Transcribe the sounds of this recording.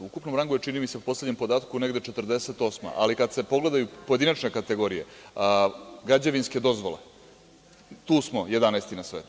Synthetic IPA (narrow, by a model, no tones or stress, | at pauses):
ukupno̞mɾaŋɡojet͡ʂinimiseupo̞sle̞d̪ɲempo̞d̪aːt̪kune̞ɡd̪et͡ʃet̪r̩d̪e̞set̪o̞sma̰ʔalikad̪se̞po̞ɡle̞d̪ajupo̞je̞d̪inat͡ʃne̞kat̪eɡo̞ɾije̞ | ɡɾad͡ʑaʋinske̞d̪o̞zʋo̞lḛ | t̪uːsmo̞je̞d̪anajst̪inasʋeːt̪u